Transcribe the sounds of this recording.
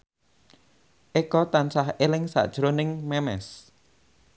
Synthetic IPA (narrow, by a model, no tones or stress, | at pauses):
ʔekɔt̪ansahelɪŋsa̰ʔd̥ʒ̥ɾonɪŋmɛmɛ̰s